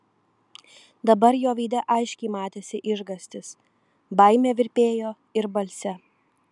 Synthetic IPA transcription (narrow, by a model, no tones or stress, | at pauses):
d̪ɐbɐɾjoːʋʲiːd̪ʲɛʔɐɪʃʲkʲɛɪmɑːt̪ʲeːsʲɪʔɪʒɡɐsʲt̪ʲɪs | bɐɪmʲeːʋʲɪɾʲpʲeːjoː | ɪɾbɐlʲsʲɛ